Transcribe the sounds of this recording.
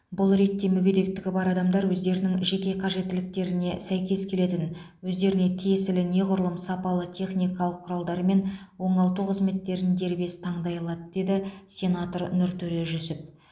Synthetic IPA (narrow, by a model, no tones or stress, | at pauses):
bʊlˠɾe̞t̪ːe̞mʏɡʲed̪e̞k̚t̪ɪɡʲɪbɑɾɑd̪ɑmd̪ɑɾwɵzd̪e̞ɾɪnɪŋʒe̞kʲe̞qʰɑʒe̞t̪ːɪlɪk̚t̪e̞ɾɪne̞sæjkʲe̞skʲʰe̞le̞t̪ɪn | wɵzd̪e̞ɾɪne̞t̪ʰijesɪlɪne̞qʊɾlˠəmsɑpɑlˠət̪ʲʰe̞χnijkɑlˠəqʰːʊɾɑlˠd̪ɑɾme̞nwo̞ɴɑlˠt̪uqʰəzme̞t̪ːe̞ɾɪnd̪e̞ɾbe̞st̪ʰɑɴd̪ɑjɑlˠɑd̪əd̪e̞d̪ɪsʲe̞nat̪ornʏɾt̪ʰɵɾe̞ʒʏsɪp̚